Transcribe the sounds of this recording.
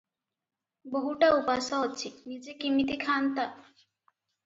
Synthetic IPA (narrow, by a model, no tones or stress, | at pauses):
boɦuʈaupasaɦɔt͡ʃʰinid͡ʒekimit̪ikʰant̪a